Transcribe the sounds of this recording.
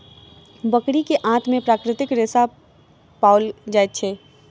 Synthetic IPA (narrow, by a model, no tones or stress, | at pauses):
bəkɽikeʔãːt̪ʰmẽpɾaːkɾɪt̪ɪkɾeːsa | paːʊld͡ʒaːjt̪̚t͡ʃʰeː